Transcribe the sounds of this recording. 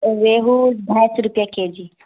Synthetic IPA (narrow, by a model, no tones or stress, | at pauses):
ʋeɦud̪ʱajsɾʊpjaked͡ʒi